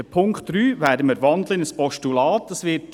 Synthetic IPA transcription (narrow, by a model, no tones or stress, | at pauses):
əpʰʊŋkχt̪ryːʋæːdəməɾʋɑnd̪ləɪnəspɔʃtulɑːt̚d̥ɑsʋɪt